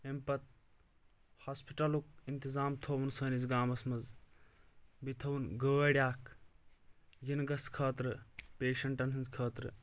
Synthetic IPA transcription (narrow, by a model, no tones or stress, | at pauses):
empɐt̪̚ | haːspiʈɐlukint̪izaːmt̪ʰoːʋɐnsɐːnizɡaːmɐsmɐz | bit̪ʰɐʋunɡəːʋɐɽʲjaːk | jinɡɐskʰɐːt̪ɾɨpeːʃɐɳʈɐnɦɐnzkʰɐːt̪ɾɨ̰